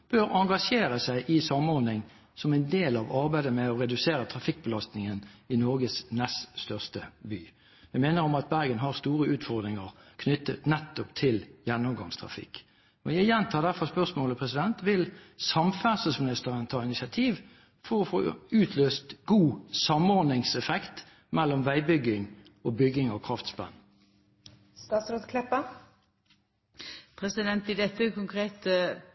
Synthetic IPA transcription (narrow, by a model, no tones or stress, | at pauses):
b̥øːɾɑŋɡɑʂeːɾəsæɪʔɪsɑmɔɾnɪŋ | sɔmɛɪnd̪eːlɑʋɑɾbæɪd̪əmɛɔɾɛd̪ʉseːɾət̪ʰʁɑfɪk̚ːbəlɑst̪nɪŋənɪnɔɾɡəsnɛst̪st̪œʁst̪əby̰ː | jæɪmeːnəɾɔmɑt̪̚bæɾɡənɦɑʁst̪uːʁəʉːt̪fɔʁd̪ɾɪŋəʁkʰnʏt̪ːət̪nɛt̪ːɔpt̪ʰɪljɛnːɔmɡɑ̰ŋst̪ʰɾɑ̰fɪ̰kː | ɔjæɪjɛnt̪ʰɑːd̪æfɔʁspœʁsmoːləpʰʁɛsɪd̪ɛnt̪ʋɪlsɑmfæːsəsmɪnɪst̪əʁənt̪ʰɑːɪnɪsɪɑt̪ʰiːʋ | fɔʁɔfo̰ːʉːt̪ʰløːst̪ɡ̥uːsɑmɔɾd̪nɪŋsɛfɛkt̪ | mɛlːɔmʋæɪbʏɡɪŋ | ʔoːbʏɡɪŋɑkʰʁɑft̪spæ̰n | st̪ɑːt̪sɾod̪kʰlɛpːə | pʰɾɛsɪd̪ɛnt̪̚ɪd̪ɛt̪əkʊŋkʁeːt̪ə